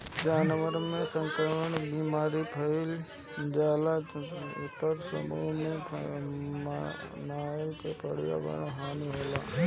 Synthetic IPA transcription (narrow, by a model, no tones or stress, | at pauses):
d͡ʒaːnʋəɾmẽsə̃ŋkɾəməɳbimaːɾipʰəɪl | d͡ʒaːlaʊ̰t̪ːəɾsə̰mṵmẽ | m | naːlkepəɽ̤ija̰bə̰ɽaɦaːniɦeːla̰ː